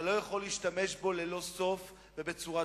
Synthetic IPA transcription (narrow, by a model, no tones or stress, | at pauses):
lo̞jaχo̞liiʃt̪ameʃbo̞le̞lo̞so̞f | ve̞be̞t͡suʁa